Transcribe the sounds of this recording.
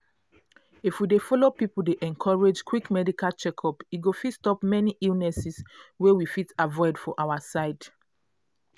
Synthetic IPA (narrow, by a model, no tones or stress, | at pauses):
ifwidefɔlopipul̩deʔɛ̃nkʰɔɹed͡ʒkʰwikmɛdikalt͡ʃɛkʰɔpiɡofitstɔpmɛniʔilnɛsiswewifitavɔɪdfɔʔawasaɪd